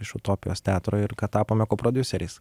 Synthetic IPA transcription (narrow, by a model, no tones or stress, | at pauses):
ɪʃʊt̪oːpʲɪjoːst̪ʲæːt̪ɾoːɪɾkɐt̪t̪ːɑːpoːmʲɛkoːpɾoːd̪ʲʊsʲɛɾʲɛɪs